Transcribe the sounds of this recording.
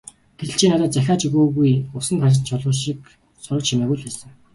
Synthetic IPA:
ɡ̥etɘ̆ɬt͡ɕʰiːnat̪aːt̪̚t͡sæxʲaːt͡ɕiɣoːɣujʊsə̆ŋkʰaʃ̬ɪ̆t̪t͡ɕʰɔɮʁʊːʃik | sʊɾə̆t͡ɕʰimæɣuːɮpæːsə̆ŋ

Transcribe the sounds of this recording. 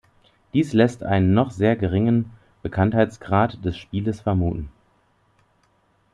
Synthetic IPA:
d̥iːslɛstʔa̰ɪnənːɔχz̥eːɐɡəʁɪŋən | b̥əkʰanthaɪt͡sɡ̥ʁaːtd̥ɛsʃpiːləsfɛɐmuːtn̩

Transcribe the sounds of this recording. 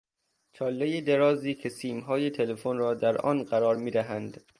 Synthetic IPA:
t͡ʃʰɒːlːejed̪eɾɒːziːkʰe̞siːmɦɒːjet̪ʰelefonɾɒːd̪æɾʔɒ̰nɢæɾɒːɾmiːd̪æɦænd̪̥

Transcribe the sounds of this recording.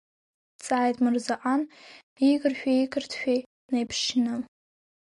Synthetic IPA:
t͡sʼaːjtʼmɨrzaʔan | iɡɨrʃᶣaikʰɨrtʰʃᶣe | nejpʰʂnɨ

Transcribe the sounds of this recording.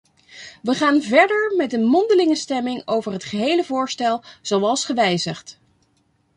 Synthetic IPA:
ʋəχaːnvɛɹdəɹmɛtənmɔndəlɪŋəstɛmɪŋowvəɹɦətχəɦejləvʊːɹstɛlˠz̥owɑlˠsχəʋɛjzəχt

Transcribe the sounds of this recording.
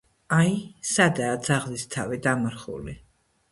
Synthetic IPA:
ajsad̪aːd̪zaʁlist̪ʰavid̪amaɾχṵli

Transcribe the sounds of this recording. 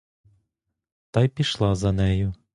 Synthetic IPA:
t̪ɑjpʲiʃlˠɑzɐnɛjʊ

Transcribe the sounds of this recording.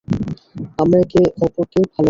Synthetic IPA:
amɾaekeʔɔpoɾkebʱalo

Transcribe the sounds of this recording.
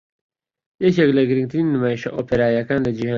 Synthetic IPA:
jɛkeklɐɡɨɾɨ̃ŋɡt̪ɨɾiːnːɨmaːjiʃɐ̰ʔoːpʰeɾaːjɐkaːnlɐd͡ʒihaː

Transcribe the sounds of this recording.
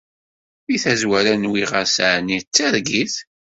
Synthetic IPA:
iθæzwæɾænwiʁəɾsʕnit͡sːæɾɡiθ

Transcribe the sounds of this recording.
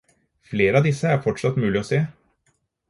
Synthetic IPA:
fleːɾəɑːd̪ɪsəæɾfɔʈʂɑt̪ːmʉːlɪɔseː

